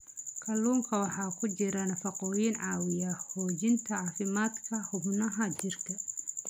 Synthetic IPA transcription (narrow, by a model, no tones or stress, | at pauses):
kʰɐluːŋkʰɐwɑħɑːkʰʊt͡ʃɪɾɐnɐfɑqɔːjinʕɑːwɪjɐhɔːt͡ʃɪnt̪ʰɐʕɑːfɪmaːd̪kʰɐhʊbnɐɦɐt͡ʃɪrkʰɐ